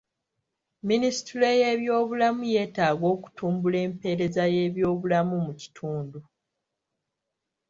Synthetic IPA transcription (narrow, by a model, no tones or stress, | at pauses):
minisi̥tiɾe̞je̞ːβjo̞ːβulamuje̞ːtaːɡo̞ːku̥tʰuːmbule̞ːmpe̞ɾe̞zaje̞ːβjo̞ːβulamumuci̥tʰuːndu